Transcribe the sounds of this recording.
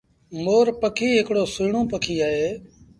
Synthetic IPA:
moːɾpəkʰiːɦɪkɽoːsuːɳõːpəkʰiːaːɦeː

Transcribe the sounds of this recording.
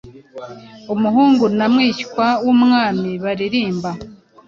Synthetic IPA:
umuɦuːŋɡunamŋiːckwawumŋaːmiβaɾiɾiːmba

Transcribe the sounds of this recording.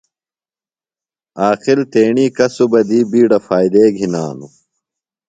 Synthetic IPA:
aːqilt̪eːɳiːkɐsubɐd̪iːbiːɖɐfaːjd̪eːɡʱinaːnu

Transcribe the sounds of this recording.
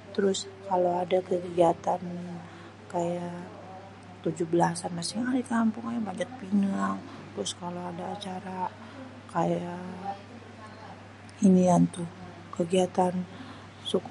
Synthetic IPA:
t̪əɾʊskaloadakəɡɡiat̪an | kaja | t̪ud͡ʒʊhbəlasanmasɪŋadikampʊŋajabaɲat̚pinaŋt̪əɾʊskaloadaːt͡ʃaɾa | kaja | iniant̪u | kəɡiat̪an | suk

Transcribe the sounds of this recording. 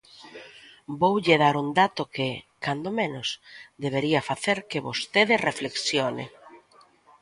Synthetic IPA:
bowʎɪðaɾund̪at̪ʊkɪkand̪omẽnʊsd̪eβ̞eɾiɐfaθeɾkeβost̪eðɪrefleksjonḛ

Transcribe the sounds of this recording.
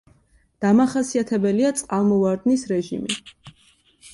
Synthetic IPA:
d̪̥amaχasiat̪ʰɛbɛliat̪sʼqʼalˠmɔvaɾd̪nisɾɛʒḭmi

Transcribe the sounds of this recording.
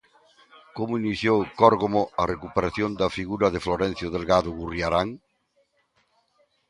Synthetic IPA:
komoiniθjowkɔɾɣomoɐrekupeɾaθjond̪ɐfiɣuɾɐðefloɾɛ̃n̟θjoðelɣaðʊɣurjaɾaŋ

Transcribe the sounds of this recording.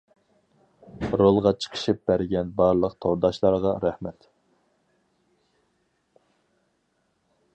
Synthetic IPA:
ɾolˠʁɑt͡ʃʰə̥qʰə̥ʃip̚bæɾɡʲɛnbɑɾlˠəqt̪ʰoɾd̪ɑʃlˠɑɾʁɑɾæhmɛt̪

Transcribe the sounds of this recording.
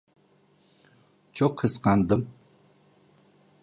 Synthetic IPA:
t͡ʃʰokʰɨsqand̪ɨm

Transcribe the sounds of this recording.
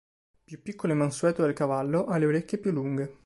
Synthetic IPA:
pjupːikʰːoloemanswɛːt̪od̪elkavalːoʔalːeoɾekʲːjepjulːuŋɡe

